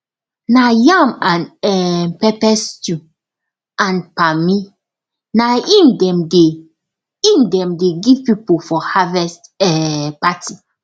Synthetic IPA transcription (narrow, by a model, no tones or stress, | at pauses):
najãmãnɛpɛpɛstu | ãnpami | naĩndɛ̃mde | ĩndɛ̃mdeɡivpipofɔhavɛstɛpati